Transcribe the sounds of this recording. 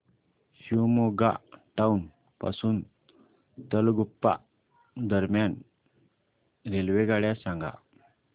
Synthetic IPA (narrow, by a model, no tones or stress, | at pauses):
ɕuwmoɡa̰ʈaun | pa̰suːn | t̪əlɡupːa̰ | d̪əɾmjan | ɾelʋeɡaɽjasãŋɡa̰